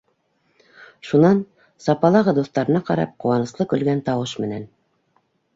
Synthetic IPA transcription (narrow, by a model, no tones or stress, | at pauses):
ʃunɑn | sɑpɑlˠɑʁɤd̪uθt̪ɑɾɤ̆nɑqɑɾɑ̰p̚qŭwɑnɤ̆slˠɤkɵ̆lɡænt̪ɑwɤʃmɘ̆næn